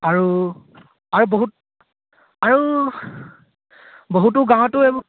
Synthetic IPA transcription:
aɹu | aɹuboɦut | aɹu | boɦut̬ʊɡãw̃ɔtʊeb

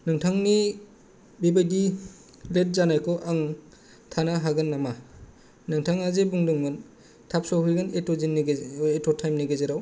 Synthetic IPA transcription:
nɯŋtʰaŋni | bibajdi | let̚zanajkʰɔʔaŋ | tʰanaɦaɡɯnːama | nɯŋtʰaŋazebuŋdɯŋɡɯn | tʰap̚sɔɦujɡɯnetɔzinːetɔtʰajmniɡezeɾaw

